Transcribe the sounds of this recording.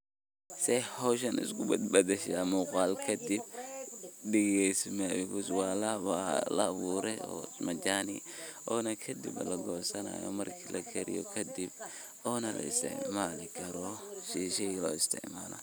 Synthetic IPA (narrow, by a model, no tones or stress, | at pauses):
sɛhɔʃ̬ɐnɪ̰skʊbɐd̪bɐd̪ɛʃamʊqɑːlkʰɐd̪ɪb̚ | dɛɣɛjsmɛjɔkʊswaːlɐβalɐːβuːɾɛɔ̰mɐd͡ʒaːnḭʔɔːnɐkʰɐd̪ḭblɐɡɔsɐna̰ːjɔ̰mɐrkʰilɐ̰kʰɛɾɪ̰jɔkʰɐd̪ib̚ | ɔːnɐlʔɐ̰ɪ̰st̪ʰɪ̰ʕmaːlɪkʰɐɾɔʃiːʃɛlɔ̰ːɪst̪ʰɪ̰ʕmaːlɐ̰